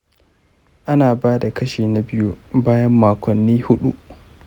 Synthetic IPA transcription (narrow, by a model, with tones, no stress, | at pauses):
ʔa˦naː˨baː˦da˨kɐ˦ʃeː˨na˨bɪ˦ju˦baː˦jɐ˦mːaː˨kʷɔ˨nːiː˦hʊ˦ɗu˦ʔ